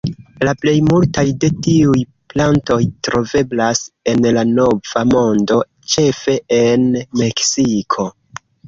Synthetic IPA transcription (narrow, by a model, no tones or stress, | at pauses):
laple̞jmultajde̞tiuj | planto̞jtɾo̞ve̞blase̞nlano̞v̥amo̞ndo̞ | t͡ʃe̞fe̞enme̞ksikʰo̞